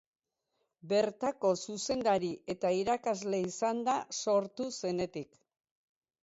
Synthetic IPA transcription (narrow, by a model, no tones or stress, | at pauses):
be̞ɾt̪ako̞suse̞nd̪aɾiʔe̞t̪aiɾakazle̞isand̪aso̞ɾt̪use̞ne̞t̪ik